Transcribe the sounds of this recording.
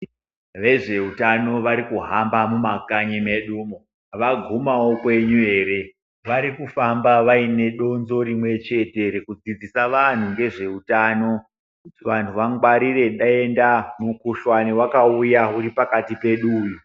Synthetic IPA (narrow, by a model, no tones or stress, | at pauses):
ʋe̞ʐe̞utano̞ʋaɾikuɦambamumakaɲime̞ɗuːmo | ʋaɡʱumawo̞kwe̞ɲue̞ːɾe̞ | ʋaɾikufambaʋaine̞ɗo̞nzo̞ɾimwe̞t͡ʃe̞te̞ɾekud͡zid͡zisaʋan̤uŋɡe̞ʐe̞utaːno̞ | ʋan̤uʋaŋɡwaɾire̞ɗae̞ndamukuʃwaniwakaujauɾipakatipe̞ɗuːju